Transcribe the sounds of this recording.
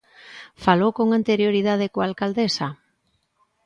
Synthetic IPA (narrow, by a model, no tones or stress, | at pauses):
falowkoŋant̪eɾjoɾiðað̞ɪkoalkald̪esa